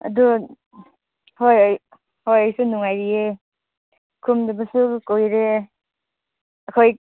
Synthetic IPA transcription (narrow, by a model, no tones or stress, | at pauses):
a̰du | hoj | hojajsunuŋajɾie | kʰumdabasukowjɾe | akʰoj